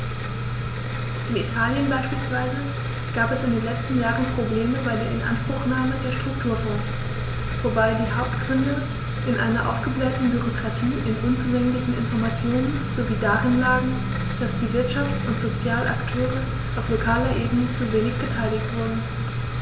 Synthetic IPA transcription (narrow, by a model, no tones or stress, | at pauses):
ʔɪnitʰaːljənbaɪʃpiːlsv̥aɪzə | ɡ̥aːpɛsɪndeːnlɛt͡stn̩jaːʁənpʁ̥obleːməbaɪdeːɐɪnʔa̰nʃpʁ̥ʊxnaːmədeːɐʃtʁ̥ʊk̚tʰuːɐfɔ̃ŋs | vobaɪdiːɦaʊp̚tɡ̥ʁʏndə | ʔɪnʔa̰ɪnɐʔa̰ʊfɡ̥əblɛntn̩byʁokʁ̥atʰiːʔɪnʔʊnt͡suːlɛŋlɪçn̩ʔɪ̰nfɔɐmat͡sjoːnən | z̥oviːdaːʁɪnlaːɡŋ̩ | d̥asd̥iːvɪɐtʃaft͡sʊntz̥ot͡sjaːlʔa̰ktʰøːʁə | ʔaʊflokʰaːlɐʔeːbənət͡suveːnɪçb̥ətʰaɪlɪçtv̥ʊɐdn̩